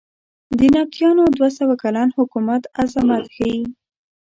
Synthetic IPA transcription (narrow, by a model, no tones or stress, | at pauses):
d̪ənɑk̚t̪jɑnod̪wasawakalɑnhʊkumat̪azamat̪xai